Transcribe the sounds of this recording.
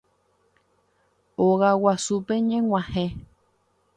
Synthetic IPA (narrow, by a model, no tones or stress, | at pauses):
oɣawasupeɲẽŋʷãhẽ